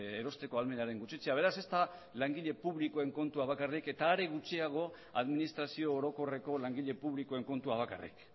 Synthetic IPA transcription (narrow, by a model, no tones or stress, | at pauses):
eɾo̞st̪e̞ko̞alme̞naɾe̞ŋɡut͡ʃit͡seaβ̞e̞ɾase̞st̪alaŋɡiʎe̞puβlikoe̞ŋko̞nt̪uaβ̞akarike̞t̪aːɾeɣut͡ʃiaɣ̞o̞ | aðminist̪ɾasio̞ːɾo̞ko̞re̞ko̞laŋɡiʎe̞puβlikoe̞ŋko̞nt̪uaβ̞aka̰rḭk